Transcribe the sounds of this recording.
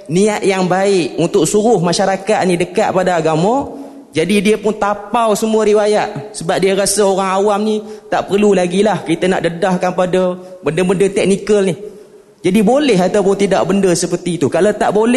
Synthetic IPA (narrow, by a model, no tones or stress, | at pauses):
niaʔ̪̚jaŋbaɪʔunt̪ʊk̚suɾʊhmaʃaɾakat̪̚nidəkat̪̚padaaɡamə̃ | d͡ʒadidiəpʊnt̪apawsəmũəɾiwajaʔsəbap̚diəɾasaoɾaŋawamnit̪aʔpərlulaɡilahkit̪əna̰ʔdədahkanpadəbəndəbəndət̪ɛk̚nikəlni | d͡ʒadibolɛɦat̪awpʊnt̪idaʔbəndəsəpərt̪it̪ukalat̪aʔbolɛ